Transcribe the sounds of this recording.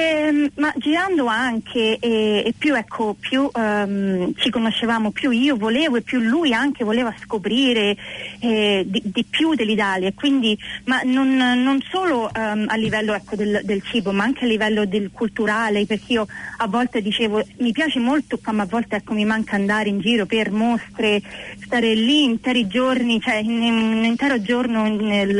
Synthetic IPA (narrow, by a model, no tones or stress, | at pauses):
ɛmad͡ʒiɾand̪oaŋkʰeɛːpːjuɛkʰːopjumt͡ʃikonoʃːevaːmopjuiːovoleːvoepːjulːujaŋk̟evoleːvaskopɾiːɾeɛd̪id̪ipjud̪elːit̪aːljakwind̪imanonːonsoːloʔɛalːivɛlːoɛkːod̪eld̪elt͡ʃiːbomaaŋk̟ealːivɛlːod̪elkʰult̪uɾaːleperk̟eiːoavːɔlt̪ed̪it͡ʃeːvomipjaːt͡ʃemolt̪okwamːaːvːɔlt̪eɛkːomimaŋkʰaand̪aːɾeind͡ʒiːɾopermost̪ɾest̪aːɾeliːnt̪ɛːɾid͡ʒornit͡ʃoɛnenint̪ɛːɾod͡ʒornonel